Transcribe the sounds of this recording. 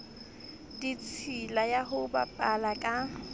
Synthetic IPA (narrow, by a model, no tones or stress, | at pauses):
dit͡sʰilajaɦʊba̰pʼalakʼa